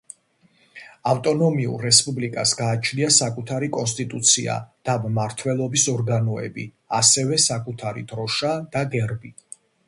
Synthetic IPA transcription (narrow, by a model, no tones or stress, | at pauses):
aft̪ʼɔnɔmiṵɾːɛspʼublikʼasɡaːt͡ʃʰniasakʼut̪ʰaɾikʼɔnst̪ʼit̪ʼut̪sʰḭa̰d̪̥ammaɾt̪ʰwɛlˠɔbisɔɾɡanɔɛ̰bḭ | asɛvɛsakʼut̪ʰaɾḭd̪̥ɾɔʃad̪̥aɡɛɾbi